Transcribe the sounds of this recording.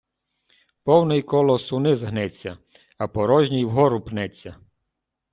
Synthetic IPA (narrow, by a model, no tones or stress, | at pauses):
pɔwnɪjkɔlˠɔsʊnɪzɦnɛt͡sʲːɐ | ɐpɔɾɔʒʲnʲijwɦɔɾʊpnɛt͡sʲːɐ